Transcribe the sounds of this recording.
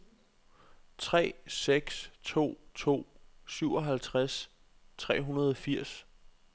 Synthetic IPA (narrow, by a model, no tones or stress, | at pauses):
t͡sʰʁɛ̰ːeɡ̥st͡sʰo̝̰ːt͡sʰo̝̰ːsyʊɒ̽ɦælt͡sʰʁas | t͡sʰʁɛ̰ːɦunɐð̞ˠɒfiɐ̰s